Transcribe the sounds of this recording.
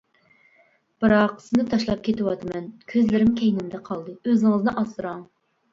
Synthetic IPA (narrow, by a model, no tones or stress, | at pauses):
b̥ɨɾɑqsɨnɨt̪ʰɑʃlˠɑp̚kʲʰet̪ɪwɑt̪ʰɨmɛnkʲʰøzlɪɾɪmkʲʰejnɪmd̪ɛqʰɑlˠd̪ɨøzɪŋɨznɨʔɑsɨɾɑŋ